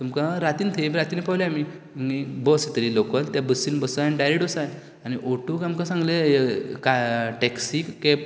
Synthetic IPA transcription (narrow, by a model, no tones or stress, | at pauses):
t̪umkãɾat̪iːnt̪ʰemiɾat̪iːnepawljami | mibəset̪əɾilokəlt̪jabəsiːnbəsajaniɖajɾeʈɔsaj | añiʔoʈukamkə̃sãŋɡlekaʈeksikːɛp̚